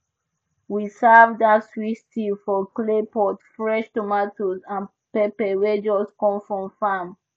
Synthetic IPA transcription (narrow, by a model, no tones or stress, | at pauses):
wisavdatswitsilfɔklepɔtfɹɛʃtomatozãn | pepɛwɛd͡ʒɔskɔ̃mfɹɔ̃mfam